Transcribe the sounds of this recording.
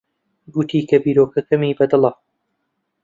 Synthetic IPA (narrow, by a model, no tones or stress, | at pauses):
ɡʊt̪ʰiːkɐbiːɾoːkɐkɐmiːbɐd̪ɨlɐ